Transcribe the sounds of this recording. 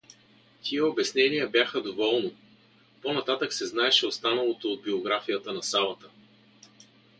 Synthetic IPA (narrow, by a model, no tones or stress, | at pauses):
t̪ʰiɛobɛsnɛnijəbʲjaxəd̪ovɔlˠni | ponɐt̪at̪əksɛznaɛʃɛost̪anəlˠot̪ood̪̚bioɡɾafijət̪ənɐsalˠət̪ə